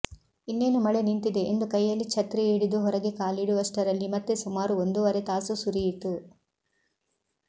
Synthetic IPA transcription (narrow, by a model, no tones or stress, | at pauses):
inːe̞ːnɐmɐɭenint̪id̪e̞ʔend̪ukɐjːɐlːit͡ʃʰɐt̪ɾeiːɽid̪uɦɔɾɐɡe̞kaːliɽuʋɐsʈɐɾɐlːimɐt̪ːesumaːɾuond̪uʋɐɾe̞t̪aːsusuɾijit̪ːu